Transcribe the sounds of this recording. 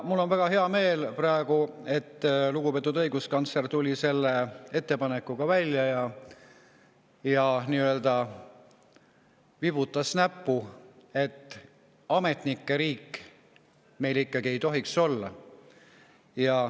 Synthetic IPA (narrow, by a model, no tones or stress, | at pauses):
mulːo̞nvæɡ̥ɑɦe̞ɑme̞ːlprɑe̞ɡ̥ue̞t̪ːluɡ̥upet̪ːˑud̪ɤ̞jɡuskɑnt̪sert̪ulʲise̞lːee̞t̪ːe̞pɑne̞kːuɡ̥ɑvælʲjɑjɑ | jɑniːøld̪ɑ | vibut̪ːˑɑsnæpːˑue̞t̪ːˑ | ɑme̞t̪nikːe̞ɾiːkː | me̞jlikˑːɑɡ̥ie̞jt̪o̞ɦikso̞lːɑ | jɑ